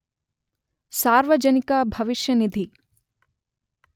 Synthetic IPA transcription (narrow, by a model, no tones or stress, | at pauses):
saːɾʋəd͡ʒɐnikabʱɐʋɪʃjɐnid̪ʱi